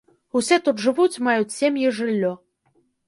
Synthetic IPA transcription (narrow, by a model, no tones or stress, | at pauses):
usʲɛt̪ut̪ʐɨvut͡sʲmajut͡sʲsʲemʲjiʐɨlʲːɔ